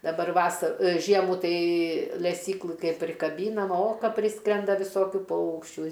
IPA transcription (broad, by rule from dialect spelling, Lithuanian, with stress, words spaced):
dɐˈbɐr ˈʋɑːsɐ ˈʒʲiɛmuː ˈtɐɪ lʲɛˈsʲiːklˠɨ ˈkɐɪp pʲrʲɪkɐˈbʲiːnɐm oː ˈkɐ ˈpʲrʲɪskrʲɛndɐ ʋʲɪˈsoːkʲʊ ˈpɐʊkʃʲt͡ʃʲuː